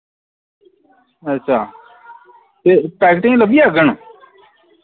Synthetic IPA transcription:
ətːʃʰaː | t̪eːpɛːkʈɪ̃ːləbiaɡəɳ̃

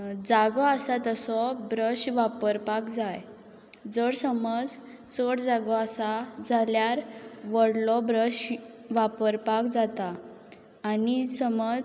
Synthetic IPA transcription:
d͡zaɡɔasat̪əsɔbɾəɕʋapəɾpakd͡zaj | d͡zəɽsəməd͡z | t͡səɽd͡zaɡɔasad͡zʱaljaɾʋəɽlɔbɾəɕ | ʋapəɾpakd͡zat̪aː | nisəməd͡z

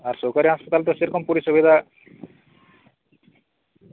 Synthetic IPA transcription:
aɾsokaɾiɦaspɐt̪alt̪esiɾkʰɔmpuɾisubid̪ʱa

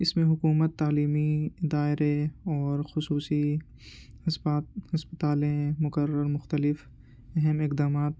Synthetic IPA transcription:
ɪsmẽɦʊkuːmət̪ːaːliːmid̪aːɪɾeɔːɾxʊsuːsi | hɐshɐspət̪aːlẽmʊkəɾəɾmʊxt̪əlɪf | ɛɦɛmɪqd̪aːmaːt̪̚

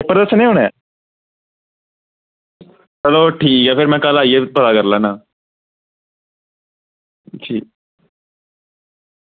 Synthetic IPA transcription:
pəɾəsnẽːɦʊɽ̃ɛː | əloːʈʰiːkɦɛːpʰɪɾmɛ̃ːkəlaːiebəlaːkəɾlaːnaː | d͡ʒiː

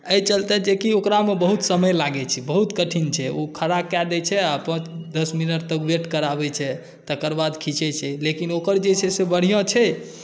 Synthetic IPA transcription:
əjt͡ʃəlt̪ɛd͡ʒekiokɾamebəɦut̪səməjlaɡɛt͡ʃʰibəɦut̪kəʈʰint͡ʃʰɛokʰəɾakad̪ɛt͡ʃʰɛapə̃t͡ʃd̪əsminəʈt̪əkbeʈkəɾabɛt͡ʃʰɛ | t̪əkəɾbad̪kʰit͡ʃɛt͡ʃʰɛlekinokəɾd͡ʒet͡ʃʰɛsebəɽ̤ijɔ̃t͡ʃʰɛ

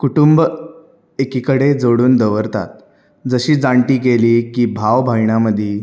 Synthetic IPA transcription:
kuʈumb | ekikəɽed͡zoɽuːnd̪əʋəɾt̪a̰t̪̚ | d͡zəɕiːd͡zaɳʈiːkeliːkiːbʱaʋbʱajɳaməd̪ʱiː

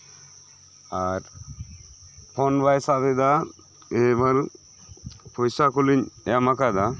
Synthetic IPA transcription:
aɾ | pʰɔnbajsad̪ɛd̪a | ɛbaɾ | pʰɔjsakuliɲɛjamakad̪a

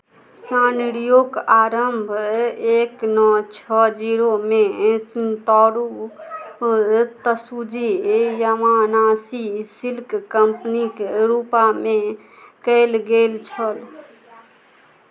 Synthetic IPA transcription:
sãnɽijoɡaːɾəmbʱeknɔt͡ʃʰɔd͡ʒiɾomẽsnt̪ɔɽu | t̪əsud͡ʒijəmanaːsisilkkəmpnikɾupamẽ | kəɪlɡelt͡ʃʰəl

